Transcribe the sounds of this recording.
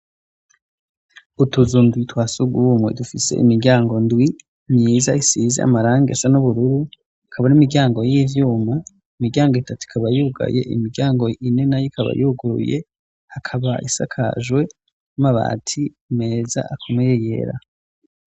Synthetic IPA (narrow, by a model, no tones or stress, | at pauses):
utuzundwitwaːsuɡumwḛdufise̞̰ʔḭmiɡʲaːŋɡo̞ndwi | mɲiːzaisizḭa̰maɾaːŋɡeasanuβuɾuɾu | akʰaβanimiɡɟjaːŋɡo̞jivjuːma | imiɡjaːŋɡoitatu̥i̥kʰaβajuɡa̰je̞̰ʔḭmiɡɟaːŋɡo̞inenajikʰaβa̰juɡuɾṵjḛ | hakʰaβaʔḭsa̰kʰa̰ʒwe̞ | maβa̰ːtʰiume̞za̰akʰomejeje̞̰ɾa̰